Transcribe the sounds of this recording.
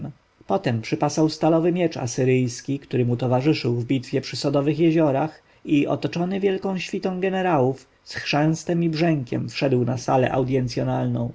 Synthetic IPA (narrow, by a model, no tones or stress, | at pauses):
pɔt̪ɛmpʂɘpasawst̪alɔvɘmʲjɛt͡ʂa̰sɘɾɘjskʲikt̪uɾɘmut̪ɔvaʐɘʂɘwvbʲit̪fʲjɛpʂɘsɔd̪ɔvɘxjɛʑɔɾax | iʔɔ̰t̪ɔt͡ʂɔnɘvʲjɛlkɔ̃w̃ɕfʲit̪ɔ̃w̃ɡɛnɛɾawuf | sxʂɛ̃w̃st̪ɛmibʐɛŋkʲɛ̰mfʂɛd̪wnasalɛ̰ʔa̰wd̪jɛnt̪sʲjɔnalnɔ̰̃w̃